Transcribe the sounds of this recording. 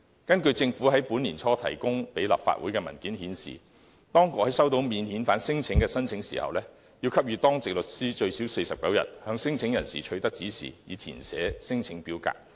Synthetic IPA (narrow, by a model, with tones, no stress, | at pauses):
kɐ˥nkɵ˧ɥt͡sɪ˧ŋfuː˨˥ɦɐ˨˥jpuː˨˥niː˨˩nt͡ʃʰɔː˥t̪ʰɐ̰˨˩jkʊ˥ŋpe˨˥jlɐ̰˨p̚fa̰ː˧t̚wṵː˨˥jkɛː˧mɐ̰˨˩nkiː˨˥nhiː˨˥nsḭː˨ | t̪ɔː˥ŋkʊ˨k̚hɐ˨˥jsɐ˥wt̪o˧˥wmiː˨˧nhiː˨˥nfaː˨˥nsɪ˥ŋt͡sʰɪ˨˥ŋkɛː˧sɐ˥nt͡sʰɪ˨˧˥ŋsḭː˨˩hɐ̰˨wlɛː˥ | jiː˧wkʰɐ˥p̚ɥyː˨˧t̪ɔː˥ŋt͡sɪ˨k̚lɵ˨t̚siː˥t͡ʃɵ˧ɥsiː˨˥wse˧jsɐ˨p̚kɐ˨˥wjɐ̰˨t̚hœː˨˧ŋsɪ˥ŋt͡sʰɪ˨˥ŋjɐ˨˩nsḭː˨t͡ʃʰɵ˧ɥt̪ɐ˥k̚t͡siː˨˥sḭː˨˩jiː˨˧t̪ʰḭː˨˩nsɛ̰ː˨˥sɪ˥ŋt͡sʰɪ˨˥ŋpiː˨˥wka̰ː˧k̚